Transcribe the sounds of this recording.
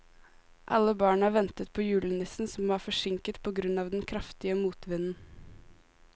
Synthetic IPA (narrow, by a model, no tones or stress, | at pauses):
ʔɑ̰lːəbɑːɳəɑːʋɛnt̪ət̪pʰoːjʉːlɪnɪsn̩sɔmʋɑːɾfɔʂɪŋkət̪pʰɔːɡɾʉnɑːʋd̪ɛnkʰɾɑft̪ɪəmuːt̪ʋɪnn̩